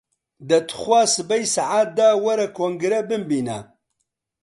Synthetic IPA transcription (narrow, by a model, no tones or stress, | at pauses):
d̪ɐt̪ʰχʷwaːsɨbɐjsaʕaːt̪̚d̪awɐɾɐkʰoŋɡɾɐbɨmbiːna̰